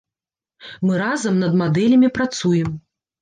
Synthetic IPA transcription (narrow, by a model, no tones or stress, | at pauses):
mɨɾazɐmnɐd̪mad̪ɛlʲɐmʲipɾat̪sujɛm